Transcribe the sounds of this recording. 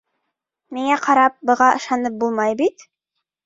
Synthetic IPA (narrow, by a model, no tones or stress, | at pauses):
miŋæqʰɑɾɑp̚bɤ̆ʁɑʔɤ̆ʃɑnɤp̚bulˠmɑjbit̪